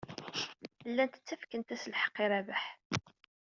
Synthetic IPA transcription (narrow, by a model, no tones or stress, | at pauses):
lːænt̪ə̥t͡sːæfkənt̪æsəlħə̥qːiɾævaħ